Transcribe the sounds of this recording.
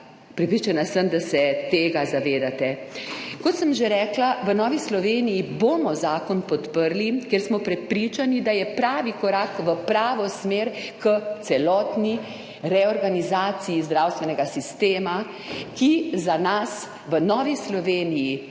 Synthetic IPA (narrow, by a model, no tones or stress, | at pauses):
pɾɛpɾit͡ʃanasəmd̪asɛt̪eːɡazaʋeːd̪at̪ɛ | kɔt̪səmʒeɾɛːklaʋənɔːʋislɔʋeːnijiboːmɔzaːkɔnpɔt̪pəɾlikeɾsmɔpɾɛpɾiːt͡ʃanid̪ajɛpɾaːʋikɔɾaːkʋəpɾaːʋɔsmeːɾkət̪sɛlɔːt̪ni | ɾɛɔɾɡanizaːt̪sijizd̪ɾawst̪ʋɛnɛɡasist̪eːma | kizanas | ʋənɔːʋislɔʋeːniji